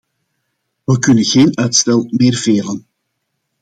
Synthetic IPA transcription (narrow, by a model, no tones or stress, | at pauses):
ʋəkɵnənɣeːnœɥtstɛlˠmeːrveːlən